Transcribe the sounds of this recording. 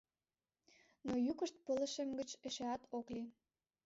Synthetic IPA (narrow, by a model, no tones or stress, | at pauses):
nojukəʃt̪̚pələ̆ʃemɡə̆t͡ɕeʃeɑt̪okli